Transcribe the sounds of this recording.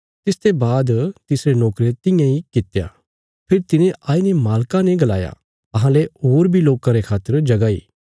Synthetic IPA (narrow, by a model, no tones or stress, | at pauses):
t̪ɪst̪ebaːd̪t̪ɪsɾenɔːkɾet̪ɪ̃jãikɪt̪ja̰ː | pʰɪɾt̪ɪnẽʔaːinemaːlkãneɡɐla̰ːja̰ | ɐɦãleɦoːɾbʱiloːkãɾekʰaːt̪ːəɾd͡ʒɐɡaːḭː